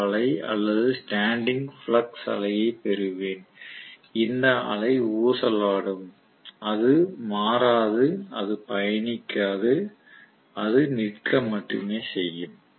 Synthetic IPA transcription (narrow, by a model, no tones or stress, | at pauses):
ɐɭɐɪɐ̰lːɐðɯsʈaːɳɖɪŋɡfɭɐksɐ̰ɭɐjɐɪpɛɾɯʋeːn | ɪnd̪ɐɐ̰ɭɐɪuːsɐlaːɽɯm | ɐðɯmaːɾaːðɯɐðɯpɐjɐɳɪkːaːðɯ | ɐðɯnɪrkːɐmːɐʈːɯ̰meːsɛjːɯm